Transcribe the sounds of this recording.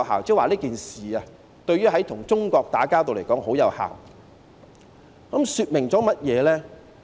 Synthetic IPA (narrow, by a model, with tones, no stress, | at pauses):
haː˨wt͡sɛ˥˩waː˨liː˥kiː˨nsiː˨a˨ | t̪ɵ˧ɥyː˥ɦɐ˨˥jt̪ʰʊ˨˩ŋt͡sʊ˥ŋkɔː˧k̚t̪aː˨˥kaː˥wt̪̬o˨wle˨˩jkɔː˨˥ŋho˨˥wjɐ˨˧wha̰ː˨˩w | kɐ˨˦˥msyː˧t̚mɪ˨˩ŋt͡sɔː˨˥mɐ˥t̚jɛː˨˧lɛː˥